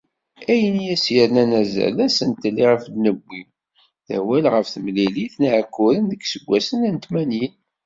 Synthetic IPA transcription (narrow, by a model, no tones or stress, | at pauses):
æjənijæsjəɾnænæzæ̰læsənt̪ːəlːiʁəfd̪nəbʷːim | θæ̰wælʁəfθəmliliθnʕəkːʊɾənðəɡsəɡʷːæsənænt̪mænjin